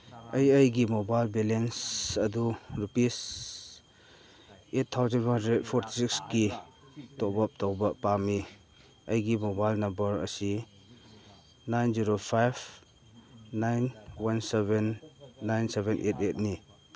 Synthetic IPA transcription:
ɐjəjɡimobajlbelensɐduɾupis | etʰtʰːawzənhandɾed̚pʰɔɾtʰi̥siksɡi | tɔbap̚tɔwbɐpami | ɐjɡimobajlnɐmbɐɾɐ̰si | najnziɾopʰajb | najnwansebenːajnsebenʔetet̚ni

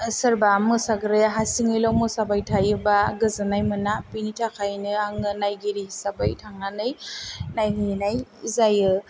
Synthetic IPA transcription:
sɯɾbamɯsaɡɾɯjaɦasiŋɯjlawmɯsabajtʰajɯbaɡɯzanajmɯnapinitʰakʰajnɯaŋɯnajɡiɾihisabajtʰaŋanɯjnajɦɯnajizajɯ

